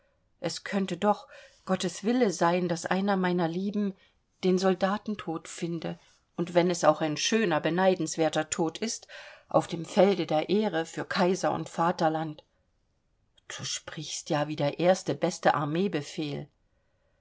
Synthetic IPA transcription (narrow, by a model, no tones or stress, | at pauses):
ʔɛskʰœntədɔχɡ̥ɔtəsv̥ɪləzaɪndasʔa̰ɪnɐmaɪnɐliːbm̩ | d̥eːnzɔldaːtn̩tʰoːtfɪndə | ʔʊntv̥ɛnɛsaʊxaɪnʃøːnɐbənaɪdn̩sv̥eːɐtɐtʰoːtʰɪstʔa̰ʊfd̥eːmfɛldədeːɐʔeːʁəfyːɐkʰaɪzɐʊ̰ntfaːtɐlant | d̥uːʃpʁ̥ɪçstjaːviːdeːɐʔeːɐstəbɛstəʔa̰ɐmeːbəfeːl